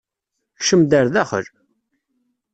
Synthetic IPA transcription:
çʃəmd̪æɾðæχə̰l

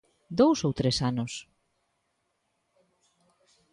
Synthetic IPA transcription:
d̪owsowt̪ɾesanʊs

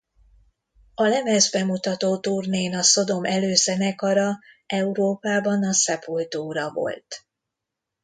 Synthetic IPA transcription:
ɒlɛmɛzbɛmut̪ɒt̪oːt̪urneːnɒso̞d̪o̞mɛløːzɛnɛkɒɾɒ | ɛuɾoːpaːbɒnɒsɛpult̪oːɾɒvo̞̰lt̪

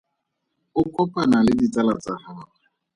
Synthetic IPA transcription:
ʊkʼɔpʼanalɪdit͡sʼalat͡sʼahaːa

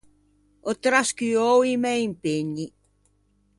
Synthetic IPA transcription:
ot̪ɾaskyowimejmpɪɲi

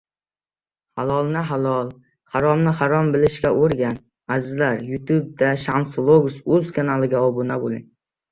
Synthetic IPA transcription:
halˠɒlˠnɪɦalˠɒlˠ | haɾɒmnɪhaɾɒmbɪlɪʃkʲaʔoɾɡʲan | azɪzlaɾjʊt̪ʰub̚d̪aʃanslˠoɡʊsɵzkʰanalˠɪɡʲaɒbʊnabolˠɪŋ

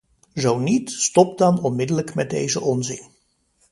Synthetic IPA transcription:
zownitstɔp̚dɑnɔnmɪdələkmɛd̚dḛjzəʔɔnzɪ̰n

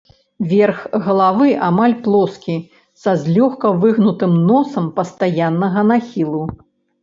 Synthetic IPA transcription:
vʲɛrxɣɐlˠavɨʔamalʲplˠɔskʲi | sazʲlʲɔxkɐvɨɣnut̪ɨmnɔsɐmpɐst̪ajanːɐɣɐnaxʲilˠu

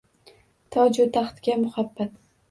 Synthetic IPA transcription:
t̪ʰɒd͡ʒʊt̪ʰːaχt̪ɡʲamʊhabːat̪

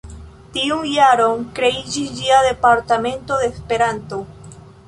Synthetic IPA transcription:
tiunjaɾo̞ŋkɾe̞id͡ʒisd͡ʒiaðe̞paɾtame̞nto̞ðe̞ːspe̞ɾanto̞

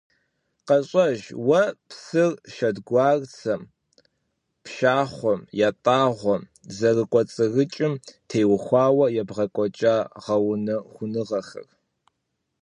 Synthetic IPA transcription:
qɐɕʼɐʒwɐpsɨrʃɐdɡʷɑːrt͡sʰɐm | pʰʃaːχʷɔmjaːtʼaːʁʷɔm | zɐrɨkʷʼɔt͡sʼɨrɨt͡ʃʼɪmtʰeːwʊxʷɑːwɐjɛbʁɐkʷʼɔt͡ʃʼaːʁɐwʊnɐχʷʊnɨʁɐxɨ̰r

